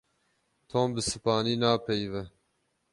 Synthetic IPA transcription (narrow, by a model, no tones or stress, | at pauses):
t̪ʰoːmbɨsɨpɑːniːnɑːpʰɛjvɛ